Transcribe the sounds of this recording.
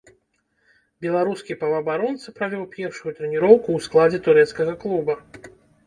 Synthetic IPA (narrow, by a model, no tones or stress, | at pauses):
bʲɛlˠaɾuskʲipɐvɐːbaɾɔnt̪sɐpɾavʲɔwpʲɛrʂujut̪ɾɛnʲiɾɔwkuːsklˠad͡zʲɛt̪uɾɛt̪skɐɣɐklˠubɐ